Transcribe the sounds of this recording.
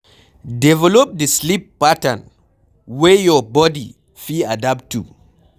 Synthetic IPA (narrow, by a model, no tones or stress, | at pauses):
dɛvɛlɔp̚dislipːatãn | wɛjɔbɔdḭ | filadaptṵ